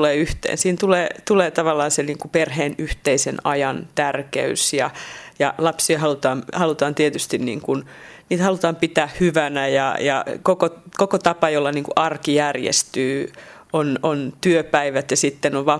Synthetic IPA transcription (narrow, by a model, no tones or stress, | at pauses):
leːyht̪ḛːnsiːnt̪uleːt̪uleːt̪ɑʋɑlːɑːnseniːŋkuperɦeːnyht̪eisenɑjɑnt̪ærkḛysjɑjɑlɑpsiɑhɑlut̪ɑːnhɑlut̪ɑːnt̪iet̪yst̪innḭːŋkun | niːt̪hɑlut̪ɑːmpit̪æːhhyʋænæjɑ̰jɑ̰kokokokot̪ɑpɑjolːɑniːŋkuʔɑrkijærjḛst̪yː | onont̪yøpæiʋæt̪jɑsit̪ːenoʋʋɑː